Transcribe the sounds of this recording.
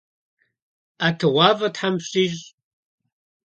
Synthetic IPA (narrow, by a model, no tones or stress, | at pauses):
atʰɨʁʷɑːvɐtħamɕʼiːʒ